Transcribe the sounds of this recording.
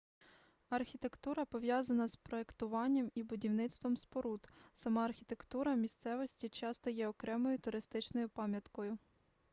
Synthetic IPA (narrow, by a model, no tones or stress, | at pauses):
ɐrxʲit̪e̞kt̪uɾɐpɔʋjɑzɐnɐspɾɔe̞kt̪ʊʋɑnʲːɐmibʊdʲiwnɪt̪st̪ʋɔmspɔɾut̪sɐmɑɐːrxʲit̪e̞kt̪uɾɐmʲist̪sɛʋɔsʲtʲit͡ʃɑst̪ɔjɛɔkɾɛmɔjʊt̪ʊɾɪst̪ɪt͡ʃnɔjʊpɑmʲjɐt̪kɔjʊ